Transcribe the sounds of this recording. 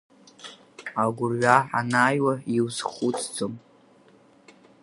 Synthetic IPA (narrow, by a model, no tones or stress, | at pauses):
aɡʷʊrɥʷaħa̰naːjwaiwzχut͡sʰʼd͡zom